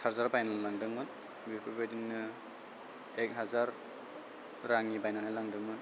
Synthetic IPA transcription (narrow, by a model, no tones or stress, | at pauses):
saɾzaɾbajnanlaŋdɯŋmɯn | bipʰɯbajdinːɯ | ek̚ɦazaɾ | ɾaŋibajnanajlaŋdɯŋmɯn